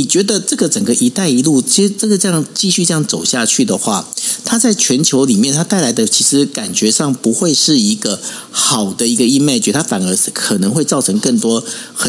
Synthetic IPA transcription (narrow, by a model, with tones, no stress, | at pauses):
ni˨˩t͡ɕɥɛ˧˥d̪ə˧ʈ͡ʂɤ˥˩ɡə˩ʈ͡ʂə˨˩ŋɡə˩ʔi˧˥t̪a˥˩ɪi˧˥lu˥˧t͡ɕʈ͡ʂɤ˥˩ɡə˩ʈ͡ʂɤ˥˧jɑ˥˨˩ŋt͡ɕi˥˧ɕy˥˧ʈ͡ʂjɑ˥˩ŋt͡so˨˩ʊɕja˥˧t͡ɕʰy˥˩d̪ə˩xwa˥˩t̪ʰa˥t͡sa˥˩ɪt͡ɕʰɥɛ˧˦˥nt͡ɕʰjo˧˥ʊli˨˩mjɛ˥˨nt̪ʰa˥t̪a˥˩ɪla˧˥ɪd̪ə˧t͡ɕʰi˧˥ʂɻ̩˧˥ka˨˩nt͡ɕɥɛ˧˥ʂɑ˥˩ŋpu˧˥xwe˥˧ɪʂɻ̩˥˩i˧˥ɡə˧ | xɑ˨˩ʊd̪ə˦i˧˥ɡə˧i˥˧me˥˩ɪt͡ɕy˧˩t̪ʰa˥fa˨˩nə˧˥kʰə˨˩nə˧˥ŋxwe˥˧ɪt͡sɑ˥˩ʊʈ͡ʂʰɤ˧˥ŋkə˥˩ŋt̪wɔ˥xə˨